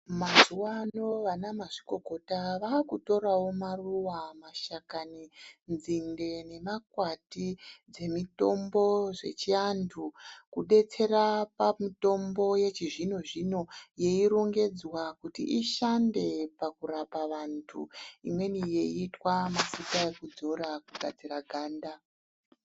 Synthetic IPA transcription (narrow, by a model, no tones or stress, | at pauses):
mazuwano̞ʋanamaʐiko̞ɡʱo̞taʋaːkuto̞ɾawo̞maruwamaʃakaninzinde̞ne̞makwatid͡ze̞mito̞mbo̞ʐe̞̰t͡ʃiantʰukuɗe̞t͡se̞rapamito̞mbo̞je̞t͡ʃiʐino̞ʐino̞je̞iɾoŋɡe̞d͡zwakutḭʔiʃande̞pakuɾapaʋantʰṵimwe̞nije̞iːtwamafutae̞kud͡zo̞ɾakuɡʱad͡ziɾaɡʱaːnda